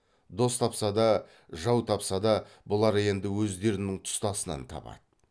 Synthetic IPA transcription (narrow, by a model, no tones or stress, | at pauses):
d̪o̞st̪ʰɑpsɑd̪ɑ | ʒɑwt̪ʰɑpsɑd̪ɑbʊlˠɑɾje̞nd̪ɪwɵzd̪e̞ɾɪnɪŋt̪ʰʊ̥st̪ɑsənɑ̰nt̪ʰɑ̰pɑ̰d̪ə